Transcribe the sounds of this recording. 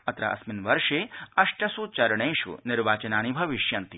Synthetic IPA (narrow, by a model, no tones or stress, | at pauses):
ɐt̪ɾɐ̰ʔɐ̰sminʋɐɾʃeːɐʃʈɐsut͡ʃɐɾɳɐjʃṵnɪɾʋaːt͡ʃɐnaːñibʱɐʋiʃjɐnt̪i